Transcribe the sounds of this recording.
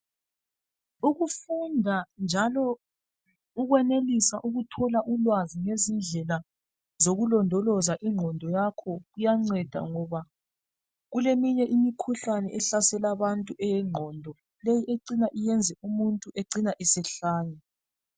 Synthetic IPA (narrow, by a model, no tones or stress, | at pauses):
uɣufundʱand͡ʒʱalɔ | uɣwɛnelisaʔuɣutʰɔlaʔulwaziŋezind͡ɮʱɛla | zoɣulɔndʱɔlɔzaʔiŋ͡ǃʱɔndʱɔjakʰɔɣujaŋ͡ǀɛd̥ʱa̰ŋɔβa | ɣulemiɲɛʔimikʰuɬanɛʔɛɬasɛlaβantʼuʔɛjɛŋ͡ǃʱɔndʱɔ | lejiʔeǃinaʔijɛnd͡zʱɛʔumuntʼuʔeǀinaʔisɛɬaːnɛ